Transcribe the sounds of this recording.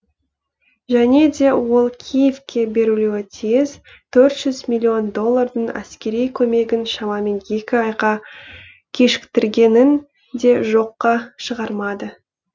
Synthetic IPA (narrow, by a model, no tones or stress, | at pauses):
ʒæne̞d̪e̞wo̞lˠkʲʰijefkʲe̞be̞ɾuluwɪt̪ʰejɪz | t̪ʰɵɾt̪ʒ̥ʏzmilʲːio̞nd̪o̞lˠːard̪əɴæ̰skʲe̞ɾijkʲʰɵme̞ɡʲɪnʃɑmɑme̞nje̞kʲɪɑjqɑ | kʲʰe̞ʃɪ̥kt̪ɪɾɡʲe̞nɪn | d̪e̞ʒo̞qːɑʃəʁɑɾmɑd̪ə